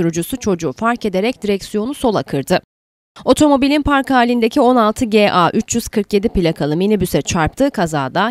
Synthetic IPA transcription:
uɾud͡ʒusut͡ʃʰo̞d͡ʒuːfaɾke̞d̪e̞ɾɛc̚d̪iɾɛcsijo̞nuso̞lˠakʰɯɾd̪ɯ | o̞t̪ʰo̞mo̞bilʲinpʰaɾkhaːlʲind̪e̞cʰio̞nalˠt̪ʰɯɟeːʔaːʔyt͡ʃʰjyz̥kʰɯɾkje̞d̪ipilʲakʰalˠɯminibysɛt͡ʃʰaɾp̚t̪ʰɯːkʰazaːd̪a

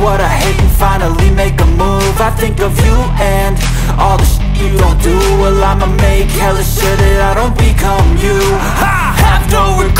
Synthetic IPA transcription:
wʌɾaɪheɪtn̩fãɪ̃nl̩ˠimeɪkəmu | vaɪθɪ̃ŋkʌvjɨ | ɨ̃n | ɔlˠðəʃ | ɨɾõdɨ | wɪlãɪ̃məmeɪkhɛlˠɨʃɪɾɪɾaɪɾõʊ̃nb̥ɨkʰʌ̃mjʉ | hævdoʊvə˞k

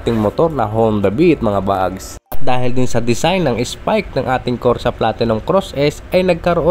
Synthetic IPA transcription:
t̪ɪŋmot̪o̞ɾnɐɦownd̪ɐbiʔɪt̪̚mɐŋabaʔɐ̰ɡs | ɐt̪̚d̪aːɦɪld̪ɪnsɐd̪ɪsajnɐŋɪspajk̪̚nɐŋʔaːt̪ɪŋkoɾsɐplaːt̪ɛnɐŋkɾosʔɛsʔɐjnɐɡ̚kɐɾoʔo

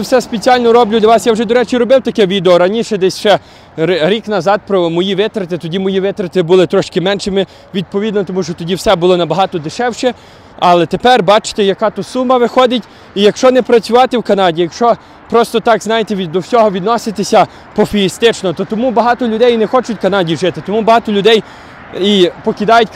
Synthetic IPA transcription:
sɛspet͡sʲiɑlʲnɔɾɔblʲʊd̪lʲɐʋɑsjawʒɛd̪ɔɾɛt͡ʃiɾɔbɪwt̪ɐkɛʋʲid̪eɔɾɐnʲiʃɛd̪ɛsʲʃt͡ʃɛ | ɾʲiknɐzɑd̪̚pɾɔmɔjiʋɪt̪ɾɪt̪ɪt̪ɔdʲimɔjiʋɪt̪ɾet̪ɪbʊlˠɪt̪ɾɔʃkɪmɛnʃɪmɪ | ʋʲid̪̚pɔʋʲid̪nɔt̪ɔmuʃt͡ʃɔt̪ɔdʲiwsɛbʊlˠɔnɐbɐɦɑt̪ɔd̪ɪʃɛwʃɛ | ɐlˠɛt̪epɛrbɑt͡ʃɪ̥t̪ɛjɐkɑt̪ʊsumɐʋɪxɔd̪ɪtʲ | ijɐkʃt͡ʃɔnɛpɾɐt͡sʲʊʋɑt̪ɪwkɐnɑdʲijɐkʃt͡ʃɔ | pɾɔst̪ɔt̪ɑkznɑjet̪ɛʋʲid̪ɔwsʲɔɦɔʋʲid̪nɔsɪt̪esʲɐ | pɔfʲiist̪ɪt͡ʃnɔt̪ɔt̪ɔmubɐɦɑt̪ɔlʲʊd̪ɛjnɛxɔt͡ʃʊtʲkɐnɑdʲiʒɪt̪ɪt̪ɔmubɐɦɑt̪ɔlʲʊd̪ɛj | ipɔkʲid̪ɑjʊtʲ

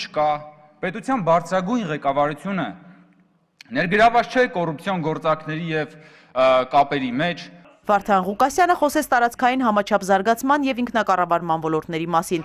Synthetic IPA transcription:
t͡ʃʰə̥kɑ | pɛt̪ut͡sʰjɑnbɑɾt͡sʰɾɑɡujnʁɛkɑvɑɾut͡sʰjunə | nɛɾɡəɾɑvɑt͡sʰt͡ʃʰɛkɔrup̚t͡sʰjɔnɡɔɾt͡sɑɾkʰnɛɾijɛv | kɑpɛɾimɛt͡ʃʰ | vɑɾt̪ʰɑnʁukɑsjɑnəχɔsɛt͡sʰt̪ɑɾɑt͡skʰɑjinɦɑmɑt͡ʃʰɑpʰzɑɾɡɑt͡sʰmɑnjɛviŋkʰnɑkɑrɑvɑɾmɑnvɔlɔɾt̪nɛɾimɑsin

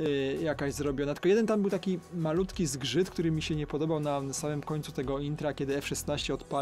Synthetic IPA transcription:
jakaʑzɾɔbʲjɔnat̪ɘ̥lkɔjɛd̪ɛnt̪ambɘwt̪akʲimalut̪kʲizɡʐɘt̪kt̪uɾɘmʲiɕɛɲɛpɔd̪ɔbawnasamɘmkɔɲt̪sut̪ɛɡɔint̪ɾakʲɛd̪ɘɛfʂɛsnaɕt͡ɕɛɔt̪pa

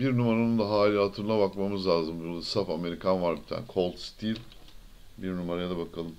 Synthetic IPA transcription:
biɾnumaɾanɯnd̪aɦaːlʲiɦat̪ʰɯɾlˠaβakmamɯzlʲˠaːzɯmbulˠasafame̞ɾikʰanvaɾbit̪ʰæ̰nkʰo̞lˠt̪st̪ʰilʲ | biɾnumaɾajad̪abakʰalˠɯm

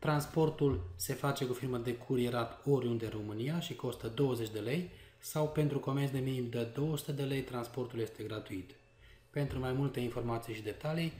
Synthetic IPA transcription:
t̪ɾanspo̞rt̪ulse̞fat͡ʃe̞kufirməd̪e̞kʰuɾieɾat̪o̞ɾʲjund̪eɨnro̞mɨnijaʃiko̞st̪əd̪o̞wəze̞t͡ʃʲd̪e̞le̞jsawpe̞nt̪ɾuko̞mertsd̪e̞minimd̪əd̪o̞wəsu̥t̪e̞d̪e̞le̞jt̪ɾanspo̞rt̪ulje̞st̪e̞ɡɾat̪uit̪ | pe̞nt̪ɾumajmult̪e̞info̞rmat̪sijʃid̪e̞t̪alij

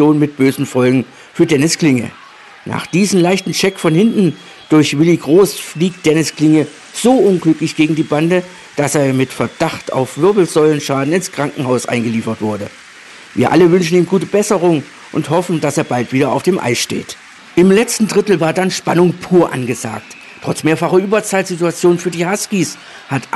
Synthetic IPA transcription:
joːnmɪt̚b̥øːzn̩fɔlɡŋ̩ | fyːɐdɛnɪskl̥ɪŋə̰ | nʔa̰ːχd̥iːzəm̩laɪçtn̩ʃɛkfɔnhɪntn̩ | d̥ʊɐçvɪliɡʁoːsfliːk̚t̚d̥ɛnɪsklɪŋə | z̥oːʔʊnɡlʏklɪçɡ̥eːɡŋ̩diːbandə | d̥aseːɐmɪtfɛɐd̥aχta̰ʊfv̥ʏɐbl̩zɔʏlənʃaːdn̩ɪnskʁ̥aŋkŋ̩haʊsʔa̰ɪnɡəliːfɐtv̥ʊɐdə | viːɐʔa̰ləvʏnʃn̩iːmɡuːtəbɛsəʁ̞ʊŋ | ʔʊnthɔfn̩daseːɐbaltv̥iːɾɐaʊfd̥eːmʔa̰ɪʃtḛːt | ʔɪmlɛt͡stn̩dʁɪtl̩vaːɐdanʃpanʊŋpʰuːɐʔa̰nɡəza̰ːk̚t | tʁ̥ɔt͡smeːɐfaχɐʔyːbɐt͡saːlz̥ituat͡sjoːnfyːɐdiːhaskis | hat

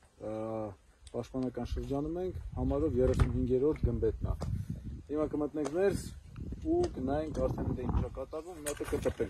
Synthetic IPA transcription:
pɑʃt̪̚pɑnɑkɑnʃəɾd͡ʒɑnumɛŋkʰhɑmɑɾɔvjɛrɛsunɦiŋɡɛɾɔt̪ʰɡəmbɛt̪nɑ̰ | himɑkəmət̪nɛŋkʰmɛɾs | ukənɑjinkɑɾt͡sʰɛnit̪ɛjint͡ʃʰɑkɑt̪ɑvumnɑt̪əkət̪ət̪ɛl

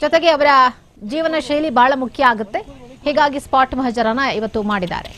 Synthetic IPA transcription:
d͡ʒɔt̪eɡe̞ɐʋɐɾɐ | d͡ʒiːʋɐnɐʃejlibʱaːɭɐmukʰjɐaːɡut̪ːe̞hɛːɡaːɡispaːʈmɐɦɐd͡ʒɐɾɐnːɐiʋɐt̪ːumaːɽid̪a̰ːɾe

